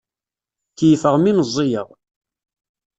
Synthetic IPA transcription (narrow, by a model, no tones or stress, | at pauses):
θjəfəʁminəzˤːijə̰ʁ